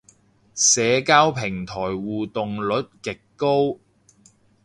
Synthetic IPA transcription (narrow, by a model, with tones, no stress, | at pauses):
sɛː˨˧kaː˥wpʰɪ˨˩ŋt̪ʰɔː˨˩jwuː˨˩t̪ʊ˨ŋlɵ˨˥t̚kɪ˨kːo˥w